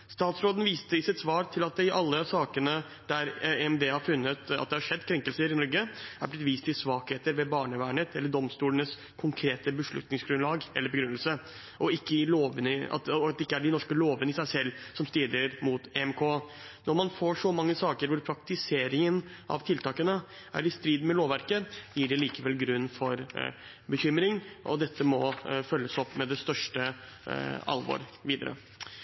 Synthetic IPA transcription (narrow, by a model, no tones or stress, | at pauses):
st̪ɑːt̪sɾoːd̪ən̩ʋiːst̪əɪsɪt̪sʋɑːɾt̪ʰɪlɑt̪̚d̪ɪʔɑlːəsɑːkənə | d̪æɾeɛmd̪eːhɑɾfʉnːət̪ɑ̰t̪̚d̪ɛhɑʂɛd̪ːkʰɾɛŋkəlsəɾɪnɔɾɡəæ̰ɾblɪt̪ʋiːst̪ʰɪlsʋɑːkheːt̪əɾʋɛbɑːɳəʋæːɳət̪ɛlːəɖɔmst̪uːlənəs | kʰʊŋkʰɾeːt̪əbəʂɭʉ̰t̪nɪŋsɡɾʉnlɑːɡʔɛ̰lːəɾbɛɡɾʉnəlsə | ʔɔɪkːəɪloːʋənəɑ̰t̪ɑd̪ɛɪkːəæɖɪnɔʂkəloːʋənəɪsæɪsɛlːsɔmst̪iːd̪əɾmut̪eɛmkʰoː | nɔmɑnfoːʂɔmɑŋːəsɑːkəɾʋʊɾpʰɾɑkt̪ɪseːɾɪŋənʔɑ̰ʋt̪ʰɪlt̪ʰɑːkənə | æ̰ɾɪst̪ɾiːd̪mɛloːʋæɾkəjiːɖɛliːkəʋɛlɡɾʉnːfɔɾ | bəçʏmɾɪŋʔɔ̰d̪ɛt̪ʰːəmɔfœlːəsɔpːmɛd̪ɛst̪œʂʈə | ɑ̰lʋo̰ːɾʋiːd̪ə̰ɾə̰